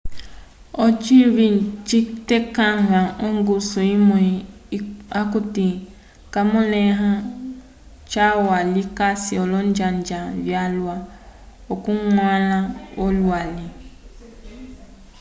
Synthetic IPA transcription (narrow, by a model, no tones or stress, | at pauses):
ɔt͡ʃiβit͡ʃitekaŋɡãoŋɡusuimõi | akuti | kamɔlɛɦã | t͡ʃawalikasiɔlɔnd͡ʒãnd͡ʒavjalwaokuŋʷalãolwali